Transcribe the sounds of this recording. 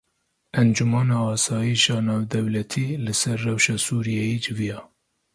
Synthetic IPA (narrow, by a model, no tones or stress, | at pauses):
ʔɛnd͡ʒumɑːnɑːɑːsɑːjiʃɑːnɑːwd̪ɛwlɛt̪ʰiːlɨsɛɾːɛwʃɑːsuːɾijɛjiːd͡ʒɪvijɑː